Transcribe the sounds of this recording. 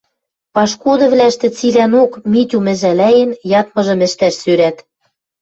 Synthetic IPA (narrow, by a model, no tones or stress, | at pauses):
pɑʃkod̪ɤ̆βlæʃt̪ɘ̆t͡silænokmit̪ʲumɘ̆ʒælæjɘ̆njɑt̪̚mɤ̆ʒɤ̆mɘ̆ʃt̪æʃsøɾæt̪